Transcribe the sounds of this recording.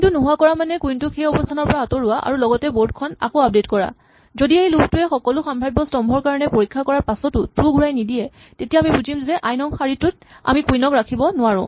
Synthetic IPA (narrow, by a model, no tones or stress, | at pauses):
ntunuɦʊakɔɹamanɛkujntʊxʰejɔbɔstʰanɔɹpɔɹaːtoɹʊwaʔa̰ɹulɔɡɔtɛboɹd̚kʰɔna̰koap̚detkɔɹa̰ | zodiejlukʰtʊɛxɔkɔlʊxambʱajbɔstɔmbʱɔɹkaɹɔnɛpoɹikʰːakɔɹaɹpasɔtʊtɹuɡuɹajnidiɛ | tetijaːmibuzimzɛʔajnɔŋxaɹitʊt̚ | a̰mikujnɔkɹakʰibɔnʊaɹʊ̰̃